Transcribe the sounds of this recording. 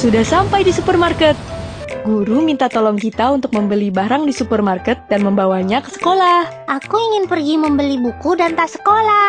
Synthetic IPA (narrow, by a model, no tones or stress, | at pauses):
sudahsampajdisupərmarkət̪̚ | ɡuɾumint̪at̪ɔlɔŋkit̪aunt̪ʊk̚məmbəlibaɾaŋdisupərmarkət̪̚danməmbawaɲakə̥sə̥kolahʔakuiŋɪnpərɡiməmbəlibukudant̪asə̥kola